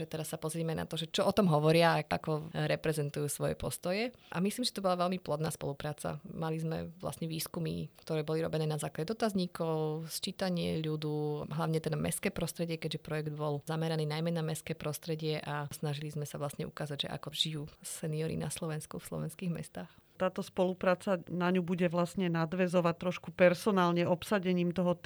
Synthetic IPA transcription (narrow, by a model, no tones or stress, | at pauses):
ʒɛt̪ɛɾasːapɔzɾɪɛmɛna̰t̪ɔʒɛt͡ʃɔʔɔt̪ɔmɦɔʋɔɾɪaʔakɔɾɛpɾɛzɛnt̪ujuːsʋɔjɛ̰pɔst̪ɔjɛʔa̰misliːmʒɛt̪ɔbɔlaʋɛlmiplɔd̪naːspɔ̰lupɾaːt͡sa̰malizmɛ̰ʋla̰sɲɛʋiːskumḭkt̪ɔɾɛːbɔliɾɔ̰bɛnɛːnazaːklaɟɛd̪ɔt̪azɲikɔʊst͡ʃiːt̪aɲɪɛ̰ʎud̪uɦlaʋʊɲɛt̪ɛnmɛ̰skɛːpɾɔst̪ɾɛɟɪɛkɛɟʒɛpɾɔjɛɡd̪bɔlzamɛɾaniːnajmɛnamɛskɛːpɾɔst̪ɾɛɟɪɛʔasnaʒilizmɛsaʋlasɲɛʔukaːzaɟʒɛ̰ʔa̰kɔʒ̥ijuːsɛniɔɾḭna̰slɔʋɛnskufslɔ̰ʋɛnskiːɣmɛ̰st̪aːxt̪aːt̪ɔspɔlupɾaːt͡sanaɲubuɟɛʋlasɲɛnad̪ʋɛzɔʋat̪ɾɔʃkupɛɾsɔnaːlɲɛɔpsaɟɛɲiːmt̪ɔɦɔ